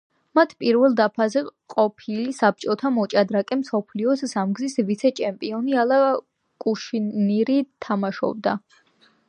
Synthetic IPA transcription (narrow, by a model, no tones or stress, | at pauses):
mat̪ʰpʼiɾvɛlˠd̪apʰazɛqʼɔpʰilisap̚t͡ʃʼɔt̪ʰamɔt͡ʃʼad̪ɾakʼɛmsɔpʰliɔssamɡzisvit̪sʰɛt͡ʃʰɛmpʼiɔnialˠa | kʼuʃiniɾit̪ʰamaʃɔ̰b̚d̪a